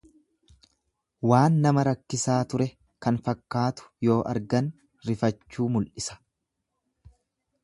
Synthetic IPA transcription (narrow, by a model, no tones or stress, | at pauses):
waːnːɐmɐɾɐkːɪsaːt̪ʊɾɛ | kɐnfɐkːaːt̪ʊ̥jo̞ːʔɐ̰ɾɡɐn | ɾɪfɐt͡ʃːuːmʊlʔɪsɐ̥